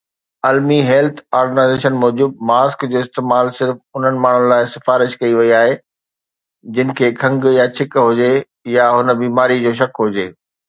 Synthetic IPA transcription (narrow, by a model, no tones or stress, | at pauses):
ɐlmiɦɛːlt̪ʰaːɾɡənaːɪzeːʃənmɔːd͡ʑuːd̪̚maːskd͡ʑoːɪst̪eːmaːlsɪɾfʊn̤ənɪ̆maːɳ̤ʊnɪ̆laːɪsɪfaːɾɪʃkɐiʋɐiaːɦe | d͡ʑɪnɪ̆kʰeːkʰɐ̃ŋɡjat͡ɕʰɪkɦʊd͡ʑe | jaɦʊnə̆biːmaːɾid͡ʑoːʃ̬ɐkɦʊd͡ʑeː